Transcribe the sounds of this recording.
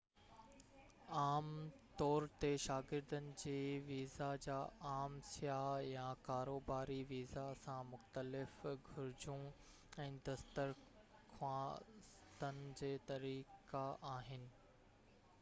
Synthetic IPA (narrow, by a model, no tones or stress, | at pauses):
aːmt̪ɔːɾt̪eʃaːɡɪɾd̪ənɪ̆d͡ʑeːʋiːzad͡ʑaːʔaːmsjajãkaːɾoːbaːɾiʋiːzasãmʊxt̪əlɪfɡʱʊɾɪd͡ʑũ | ɛ̃ːd̪ɐst̪əɾ | kʰwãːs | t̪ənɪ̆d͡ʑeːt̪ɐɾiːkaʔaːɦɪnɪ̆